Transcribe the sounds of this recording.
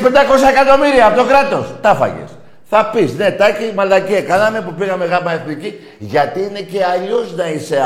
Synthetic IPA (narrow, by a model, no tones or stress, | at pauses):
pe̞nd̪ɐko̞sɐe̞kat̪o̞miɾiɐpot̪okɾɐt̪o̞st̪ɐfɐ̰ʝḛs | θɐpisne̞t̪ɐcimɐld̪ɐcekɐnɐme̞pupiɣɐme̞ɣɐmɐeθmici | ʝɐt̪iine̞ce̞ɐʎo̞znɐise̞